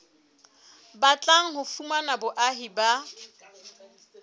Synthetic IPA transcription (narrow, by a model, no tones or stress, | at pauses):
bat͡ɬʼaŋ̩ɦʊfumanabʊʔaɦiba